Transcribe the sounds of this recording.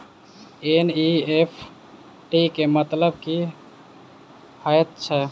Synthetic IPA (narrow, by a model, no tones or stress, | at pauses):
eniepʰ | ʈikemət̪ləb̚ki | həjt̪̚t͡ʃʰɛ